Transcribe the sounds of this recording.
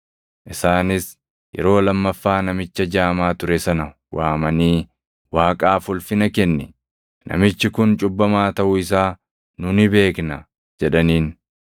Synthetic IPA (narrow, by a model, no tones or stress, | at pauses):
ʔɪsaːnɪs | jʔɛ̰ɾo̞ːlɐmːɐfːaːnɐmɪt͡ʃːɐd͡ʒaːmaːt̪ʊɾɛsɐnɐ | waːmɐniː | waːkʼaːfʊlfɪnɐkɛnːɪ | nʔɐ̰mɪt͡ʃːɪkʊnt͡ʃʼʊbːɐmaːt̪ɐʔʊɪsaː | nʊnɪbe̞ːknɐ | d͡ʒɛᶑɐniːn